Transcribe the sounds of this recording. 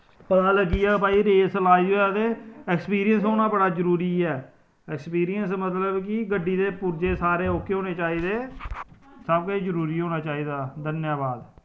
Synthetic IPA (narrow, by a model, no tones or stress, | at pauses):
pət̪ãːləɡiːɛːpaːiːɾeːsəlaːiːɦoːjaːt̪eːɛkspiːɾijəns̬ɦoːnãːbəɽaːzəɾuːɾiːɛː | ɛːkspiːɾijənsmət̪ləbkɪɡəɖːiːd̪eːpʊɾd͡ʒeːsaːɾeːoːkeɦoːneːt͡ʃaːiːd̪eː | səb̚kəizəɾuːɾiːɦoːnaːt͡ʃaːiːd̪aːd̪ənjaːbaːd̪